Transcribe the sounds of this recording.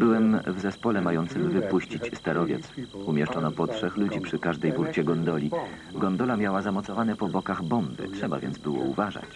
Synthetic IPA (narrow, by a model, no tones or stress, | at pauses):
bɘwɛmvzɛspɔlɛmajɔnt̪sɘmvɘpuɕt͡ɕit͡ɕst̪aɾɔvʲjɛ̰t̪sumʲjɛʂt͡ʂɔnɔpɔtʂɛxlud͡ʑipʂɘkaʐd̪ɛjbuɾt͡ɕɛɡɔnd̪ɔlʲi | ɡɔnd̪ɔlamʲjawazamɔt̪sɔvanɛpɔbɔkaɣbɔmbɘ̰tʂɛba̰vʲjɛ̰nd̪zbɘwɔ̰ṵvaʐa̰t͡ɕ